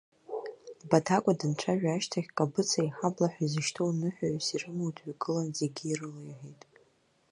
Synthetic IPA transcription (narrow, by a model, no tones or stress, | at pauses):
batʰakʷʼadɨnt͡ʃʷʰaʒᶣaʃtʰaχʲkʼabɨt͡sʰaiħablaħʷᶣaizɨʃtʰownɨħʷᶣaʕsirɨmowtʰʼʷaɡʼɨlanzeɡʲiːrɨlajħejtʼ